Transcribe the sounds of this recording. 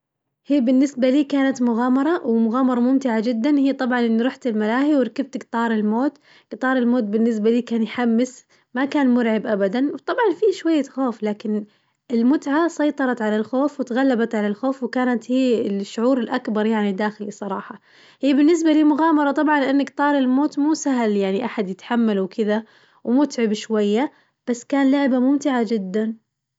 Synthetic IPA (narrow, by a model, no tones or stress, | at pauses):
hiːbɪnːɪsbaliːkaːnat̪mʊɣaːmɑɾˤɑwɪmʊɣaːmɑɾˤɑmʊmt̪ɪʕad͡ʒɪd̪ːanhiːt̪ˤɑbʕɑnʔɪnːiɾˤʊħt̪ɪlmalaːhiwɪɾˤɑkab̚t̪ɡt̪ˤɑːɾˤɪlmoːt̪ | ɡ̥t̪ˤɑːɾˤɪlmoːt̪̚bɪnːɪs̬baliːkaːnjħamːɪs | makaːnmʊɾʕɪbʔabad̪anwt̪ˤɑbʕɑnfiʃwajːaxoːflaːkɪn | ɪlmʊt̪ʕasˤɑjt̪ˤɑɾˤɑt̪ʕalalxoːfwɪt̪ɣalːabat̪ʕalalxoːfwɪkaːnat̪hiːɪlʃːʊʕuːɾɪlʔakbɑɾˤjaʕnid̪aːxɪlisˤɑɾˤɑːħɑ | hiːbɪnːɪs̬baliːmʊɣaːmɑɾˤɑt̪ˤɑbʕɑnlɪʔanːakt̪ˤɑːɾˤɪlmoːt̪muːsaɦljaʕniʔaħad̪jɪt̪ħamːalwkʰɪða | wmʊt̪ʕɪbʃwajːa | b̥asːkaːnlʊʕbamʊmt̪ɪʕad͡ʒɪd̪ːan